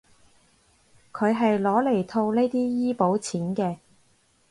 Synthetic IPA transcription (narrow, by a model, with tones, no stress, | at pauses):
kʰɵ˨˧ɥɦɐ˨jlɔː˨˥le˨˩jt̪ʰo˧wne˥jt̪iː˥jiː˥po˨˥wt͡sʰiː˨˥nkɛː˧